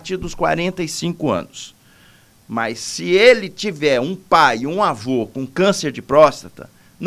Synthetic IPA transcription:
t͡ʃiɾd̪ʊskwa̰ɾẽnt̪ɐisĩkʊɐ̰̃nʊs | mɐjsːɪelɪt͡ʃivɛɾũpajũavokõũkɐ̃seɾd͡ʒɪpɾɔst̪ɐt̪ɐ̰ | n

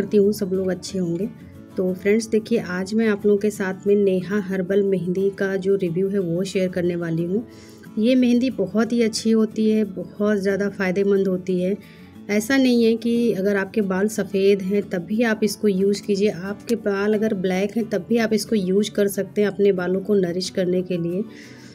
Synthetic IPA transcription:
ɐɾt̪iɦũsɐbloːɡɐtːʃʰeɦõːŋɡeː | t̪oːfɾɛ̃ɳɖsd̪eːkʰieʔaːd͡ʒmɛ̃aːploːɡõkesaːt̪ʰmẽneːɦaɦɐɾbəlmɛ̃ɦnd̪ikad͡ʒoːɾɪʋjuːɦɛʋoʃeːəɾkɐɾneʋaːliɦũː | jemɛ̃ɦnd̪ibɔɦɔt̪ɦiɐtːʃʰiɦoːt̪iɦɛbɔhɔt̪zjaːd̪afaːɪd̪emɐ̃nd̪ɦoːt̪iɦɛː | ɛːsanɐɦĩɦɛkiɐɡəɾaːp̚kebaːlsɐfeːd̪ɦɛ̃t̪ɐbːiaːpɪskojuːzkiːd͡ʒieʔaːp̚kebaːlɐɡəɾblɛːkɦɛ̃t̪ɐbʱːiaːpɪskojuːzkɐɾsɐk̚t̪eɦɛ̃ɐpnebaːlõkonɐɾɪʃkɐɾnekelieː

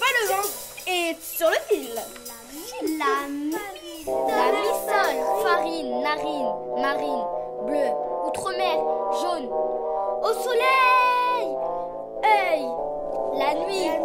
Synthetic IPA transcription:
palə̃ | e | syʁləfil | a | lanɥisœlfaʁinːaʁinmaʁinbløut̪χomɛlʒon | osɔlɛj | ɛj | lanɥi

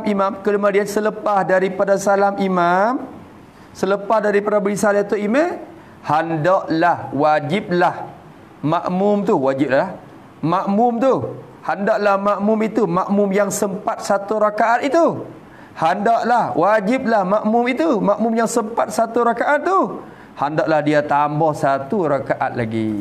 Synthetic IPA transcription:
mimamkəlumadiansələpahdaɾipadasalamimam | sələpahdaɾipadabəɾisalat̪oimɛ | handɔʔlahwad͡ʒip̚lah | maʔmʊmt̪uwad͡ʒip̚lah | maʔmʊmt̪u | handɔʔlahmaʔmʊmit̪umaʔmʊmjaŋsəmpat̪̚sat̪uɾakaʔat̪it̪u | handɔʔlahwʔad͡ʒɪp̚lahmaʔmʊmit̪umaʔmʊmjaŋsəmpat̪̚sat̪uɾakaʔat̪̚ːu | handɔʔlahdiat̪ambɔhsat̪uɾakaʔa̰t̪̚laɡḭ

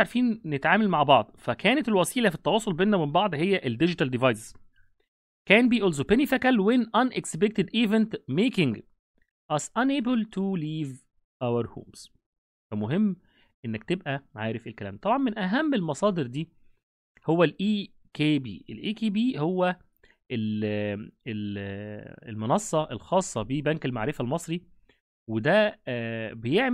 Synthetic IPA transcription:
ʕaɾfiːnːet̪ʕaːmælmaʕbɑʕd̪ˤfækʰæːnet̪elwæsiːlæfit̪ːɑwɑːsˤolbeːnːæwmembɑʕd̪ˤhejːæʔeld̪ed͡ʒɪt̪æld̪ivɑjsz̥ | kænbiːʔolzopænifækælwenʔɑnʔekspek̚t̪ed̪ʔivent̪meːkɪŋɡ | ʔɑzʔɑnʔeːbəlt̪ʰuliːv | ʔæwaɾˤho̰ːmz̥ | fæmoɦemː | ʔenːæk̚t̪ebʔæʕaːɾefelkælæːmt̪ˤɑbʕɑnmenʔæɦæmːelmɑsˤɑːd̪eɾd̪iː | howːælʔiː | kʰeːbḭːʔelʔiːkeːbiːhowːæ | ʔel | el | ḛlmenɑsˤːɑʔelxɑːsˤːɑbibænkelmaʕɾefælmɑsˤɾi | wed̪æ | bejeʕm

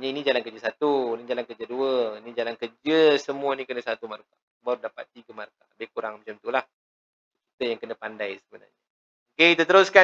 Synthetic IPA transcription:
ɲainid͡ʒalankəd͡ʒəsat̪unid͡ʒalankəd͡ʒəduəinid͡ʒalankərd͡ʒəsəmuənikənəsat̪umarka | baɾudapat̪ːiɡəmarkabehkuɾaŋmat͡ʃamt̪ulah | kkit̪əjaŋkənəpandajsəbəna̰rɲə | okeit̪ət̪əɾʊska

